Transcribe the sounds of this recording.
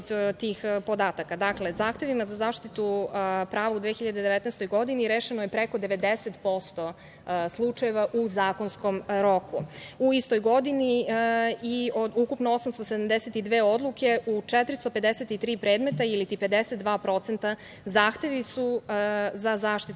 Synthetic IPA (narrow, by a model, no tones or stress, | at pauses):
d̪t̪iːxpo̞d̪aːt̪akad̪akle̞zaːxt̪e̞ʋimazazaːʃt̪it̪upɾaːʋaud̪ʋeːxiʎad̪ed̪eʋet̪nɛjst̪ojɡo̞d̪iniɾeːʃenojepɾeko̞d̪e̞ʋe̞d̪eset̪po̞st̪o̞ | slˠut͡ʃaje̞ʋaʔuzaːko̞nsko̞mɾo̞kuuist̪o̞jɡo̞d̪ini | iod̪ukupnoosamst̪osed̪amd̪eset̪id̪ʋeːo̞d̪lˠukʰe̞ut͡ʂɛt̪ɾist̪o̞pe̞d̪eset̪it̪ɾiːpɾe̞ːd̪met̪ailit̪ipe̞d̪eset̪̚d̪ʋaːpɾo̞t̪se̞nt̪a | zaːxt̪eʋisu | zazaːʃt̪it̪